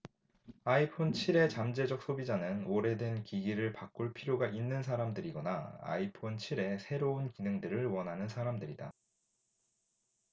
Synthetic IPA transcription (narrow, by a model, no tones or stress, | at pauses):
aipʰont͡ɕʰiɾe̞t͡ɕamd͡ʑe̞d͡ʑʌk̚s͈ʰobid͡ʑanɯnoɾe̞dwe̞nkiɡiɾɯɭpak͈uɭpʰiɾjoɡaʔinːɯnsʰaɾamdɯɾiɡʌnaa̰ipʰont͡ɕʰiɾe̞sʰe̞ɾounkinɯŋdɯɾɯɭwʌnɦanɯnsʰaɾamdɯɾida̰